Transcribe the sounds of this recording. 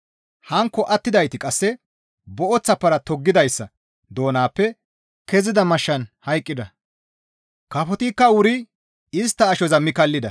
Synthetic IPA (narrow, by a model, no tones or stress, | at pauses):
hɐŋkːɔʔɐt̪ːɪd̪ɐjt̪ɪkʼɐsːɛ | bɔʔɔt͡sːɐpːɐɾɐt̪ɔɡːɪd̪ɐjsːɐ | d̪o̞ːnaːpːɛ | kɛzɪd̪ɐmɐʃːɐnhɐjkʼːɪd̪ɐ | kɐfɔt̪ikːɐwʊɾɪ | ɪst̪ːɐːʃɔzɐmːɪkɐlːɪd̪ɐ